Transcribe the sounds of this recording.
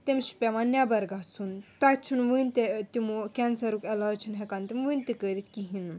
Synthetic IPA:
t̪emʃi̥pʲemanʲabɐɾɡaɦt͡sʰunt̪at͡ʃʰunʋɨnʲt̪et̪imukʲɛnsɐɾukelaːt͡ʃʰunɦɛkant̪imʋɨnʲt̪ikəɾit̪kiɦin

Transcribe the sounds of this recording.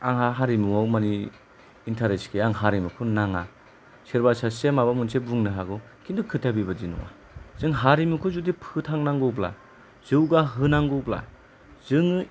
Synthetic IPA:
a̰ŋɦaɦaɾimuawmaniː | ntʰaɾeskʰeaŋɦaɾimukʰunaŋa | siɾbasasemabamunsʰebuŋnɯɦaɡɔ | kʰindɯkʰɯtʰabibadinɔ̰wa̰ | z̥ɯŋɦaɾimukʰɔzudipʰɯtʰaŋnaŋɡɯbla̰ | z̥ɯwɡaɦɯnaŋɡɯbla̰ | z̥ɯŋ

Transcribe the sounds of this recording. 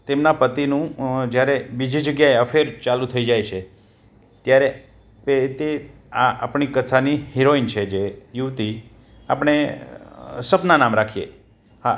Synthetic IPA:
t̪emnapət̪inũd͡ʒjaɾebid͡ʒʱid͡ʒəɡjaeəfʰeɾt͡ʃalut̪ʰəid͡ʒajt͡ʃʰe | t̪jaɾe | pet̪e | aʔa̰pɳ̃ikət̪ʰaniheɾoint͡ʃʰed͡ʒejuʋt̪i | a̰pəɳ̃e | səpnanamɾakʰijḛ | ha

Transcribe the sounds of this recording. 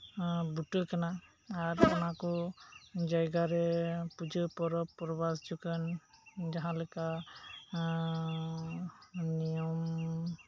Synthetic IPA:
butɯjkanaː | ɾtamakɔ | d͡ʒajɡaɾɛpud͡ʒɯpɔɾɔpːɔɾɔbasd͡ʒukənd͡ʒaɦãlɔka | nijɔm

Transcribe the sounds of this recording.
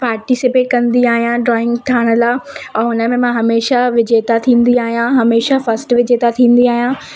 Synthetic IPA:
paːɾʈisɪpeːʈkɐ̃nd̪iaːɦijãɖɾɔːɪ̃ŋɡt̪ʰaːɽ̃ə̆laːɛʊnəmẽmãːɦɐmeːʃaʋɪd͡ʑeːt̪at̪ʰĩːnd̪iaːɦijãɦɐmeːʃafɐsʈʋɪd͡ʑeːt̪at̪ʰĩːn̆d̪iaːɦijã

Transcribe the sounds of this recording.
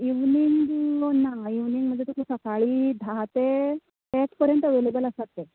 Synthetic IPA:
iʋniŋɡnaiʋniŋɡm̤ənd͡zet̪ukʰusəkaɭiːd̪ʱat̪e | eʈpəɾjənt̪əʋelebələsat̪ːe

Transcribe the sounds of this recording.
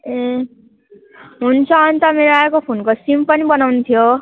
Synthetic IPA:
e | ɦunt͡sʰʌːnit̪ʌmeɾoaekopʰonkosimpʌnibʌnawnut̪ʰijo

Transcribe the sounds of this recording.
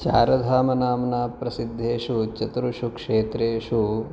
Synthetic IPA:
t͡ʃa̰ːɾɐd̪ʱaːmɐnaːmɐnaːpɾɐsid̪ʱːeːʂut͡ʃɐt̪ɾuʃukʂeːt̪ɾeːʂu

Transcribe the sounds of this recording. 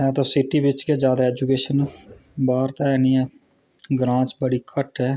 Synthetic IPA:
ɛ̃ːt̪õːsɪʈiːbɪt͡ʃkeːd͡ʒjaːd̪aːɛːd͡ʒuːkeːʃənbaːɾt̪aːɛniːɛː | ɡɾãːt͡ʃbəɽiːkʰəʈɦɛː

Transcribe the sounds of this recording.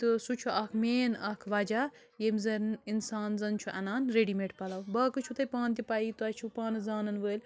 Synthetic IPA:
t̪ɨsut͡ʃʰuʔɐkʰmeːnɐkʰʋɐd͡ʒaː | jemzɐninsaːnzɐnt͡ʃʰuʔɐnaːnɾeɖimeʈpɐlɐwbɐkɨt͡ʃʰut̪ɐjpãːnt̪ʲipait̪uɐt͡ʃʰupaːnɨzaːnɐnʋəːlʲ

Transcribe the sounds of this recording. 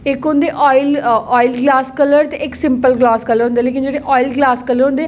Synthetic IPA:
ɪkɦʊ̃nd̪eːʔɔːɪlɔːɪlɡlaːskələɾt̪eʔɪksɪ̃mpəlɡlaːskələɾɦʊ̃nd̪eːleːk̬ɪnd͡ʒeːɽeːʔɔːilɡlaːskələɾɦʊ̃nd̪eː

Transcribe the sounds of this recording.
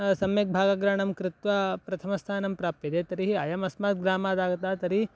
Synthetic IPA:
sɐmjɐk̚bʱaːɡɐɡɾaɳɐmkɾɪt̪ʋɐpɾɐt̪ʰɐmɐst̪ʰaːnɐmpɾaːpjɐd̪eːt̪ɐɾiɦiaːjɐmɐsmaːt̪̚ɡɾaːmaːd̪aːɡɐt̪aːt̪ɐɾi

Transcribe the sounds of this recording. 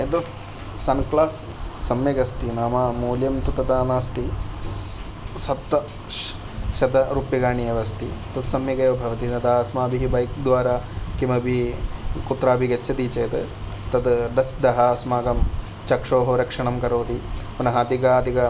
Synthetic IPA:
ɐt̪ɐ | sɐnklaːsː | ɐmjɐɡɐst̪inaːmaːmuːljɐmt̪ut̪ɐt̪aːnaːst̪i | sɐt̪ʋɐ | ʃɐd̪ɐɾuːpjɐɡaːɳijɐʋɐst̪it̪ɐt̪sɐmjɐɡɐjʋbʱɐʋɐt̪inɐd̪ɐɐsmaːbiɦibɐjk̚d̪ʋaːɾaːkimɐbʱikut̪ɾaːbʱiɡet͡ʃːʰɐt̪iːt͡ʃɐjt̪ | t̪ɐd̪ɖɐsd̪ɐɦɐsmaːɡɐm | t͡ʃɐkʂoːɦoɾɐkʂɐɳɐmkɐɾoːd̪ipɐnɐɦɐd̪ikaːd̪ʱikɐ

